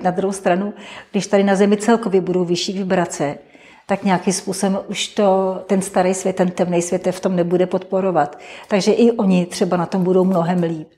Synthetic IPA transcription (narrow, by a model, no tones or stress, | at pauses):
nad̪ɾuɦowst̪ɾanuɡdɪʃt̪adɪnazɛmɪt͡sɛlko̞vjɛbudo̞wvɪʃiːvɪbɾat͡sɛ | t̪akɲɛakɪmspuːsobɛmʔuʃt̪ot̪ɛnst̪aɾɛjsvjɛt̪ːɛnt̪ːɛmnɛjsvjɛt̪ːɛft̪o̞mnɛbudɛpo̞t̪po̞ɾo̞vat̪ːaɡʒɛʔɪʔo̞ɲɪt̪r̝̥ɛbanat̪o̞mbudo̞wmno̞ɦɛmliːp̚